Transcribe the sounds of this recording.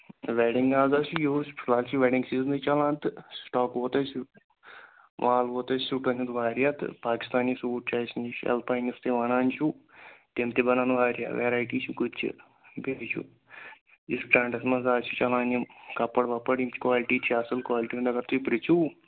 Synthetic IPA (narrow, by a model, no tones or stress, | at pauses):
ʋeɖiŋɡaːzat͡ʃʰujoːspʰilaːlt͡ʃʰiʋeɖiŋɡsiːznɨt͡ʃɐlãːnt̪ɨsʈaːkʋoːt̪ɐt͡ʃʰ | ʋʔaːlʋoːt̪ɐt͡ʃsuʈɐnʰɐnt̪ʋaːɾijat̪ɨ̰paːki̥st̪aːniːsuːʈ̚t͡ʃaːjsinit͡ʃʰɛ̰lpaːnist̪eʋɐnaːnt͡ʃʰut̪emt̪ebɐnaːnʋaːɾja̰ːʋeːɾaːjʈiːt͡ʃʰukut͡ʃʰɨ̰ | beit͡ʃʰṵ | ispʈaːɳɖɐsmɐnzaːt͡ʃʰut͡ʃɐlaːnimkɐpːɐɽʋɐpːɐɽimt͡ʃkʋaːliʈiːt͡ʃʰiɐsɨlkʋaːliʈiːund̪ɐkɐɾt̪uipɾit͡ʃʰu